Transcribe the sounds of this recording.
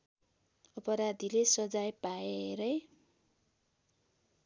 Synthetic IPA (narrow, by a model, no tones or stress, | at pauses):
ʌpʌɾad̪ʱilesʌd͡zajpaeeɾʌj